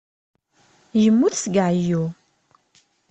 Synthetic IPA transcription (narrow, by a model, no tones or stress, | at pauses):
jəmːuθsɡaʕju